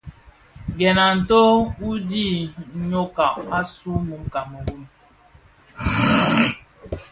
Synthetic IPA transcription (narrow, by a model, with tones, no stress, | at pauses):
ɡɛ˨na˨n̩˨to˦u˦di˦˨˦ɲo˦ka˨ʔa˦su˦mu˨˦mka˨mə˨ɡu˦m